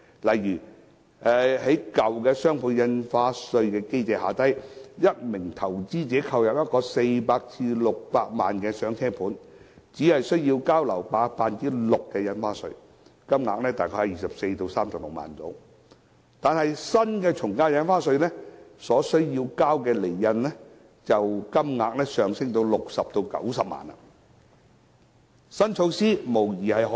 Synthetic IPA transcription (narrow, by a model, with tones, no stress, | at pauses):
lɐ˨jjyː˨˩ | ʔɛː˨˧he˨˥jkɐ˨wkɛː˧sœː˥ŋpʰuː˧njɐ˧nfaː˧˥sɵ˧ɥkɛː˧ke˥jt͡sɛː˨˧ɦaː˨t̪ɐ˥jjɐ˥t̚mɪ˨˩ŋt̪ʰɐ˨˩wt͡siː˥t͡sɛː˨˥kʰɐ˧wjɐ˨p̚jɐ˥t̚kɔː˧se˧jpaː˧k̚t͡sʰiː˧lʊ˨k̚paː˧k̚maː˨nkɛː˧sœː˨˥ŋt͡sʰɛː˥pʰuː˨˥n | t͡siː˨˥hɐ˨jsɵ˥ɥjiː˧wkaː˥wlɐ˨˩wpaː˧k̚faː˧nt͡siː˥lʊ˨kːɛː˧jɐ˧nfaː˥sɵ̰˧ɥ | kɐ˥mŋa̰ː˧k̚nɛː˦˥t̪aː˨jkʰɔ˧˥hɐ˨˥jiː˨sɐ˨p̚se˧jt̪o˧wsaː˥mt̪ʊ˨˩ŋlʊ˨k̚ma̰ː˨˩nto̰˨˥w | t̪aː˨nɦɐ˨jsɐ˥nkɛː˧t͡ʃʰʊ˨˩ŋkaː˥jɐ˧˥nfaː˥sɵ˧ɥlɛː˥sɔː˨˥sɵ˥ɥjiː˧wkaː˥wkɛː˧le˨˩jːɐ˧nlɛ˥ | t͡sɐ˨wkɐ˥mŋaː˧k̚nɛː˥sœː˨ŋsɪ˥ŋt̪o˧wlʊ˨k̚sɐ˨p̚t̪o˧wkɐ̰˨˥wsɐ˨p̚ma̰ː˨nɐ̰˧˨ | sɐ˥nt͡ʃʰo˧wsiː˥mo˨˩wjiː˨˩hɐ˨jɦɔ˨˦